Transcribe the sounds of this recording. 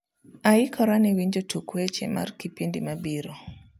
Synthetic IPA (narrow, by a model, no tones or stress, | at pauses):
aikʰɔɾaniwiɲd͡ʒotukwɛt͡ʃɛ̰ma̰rkipindimabiɾɔ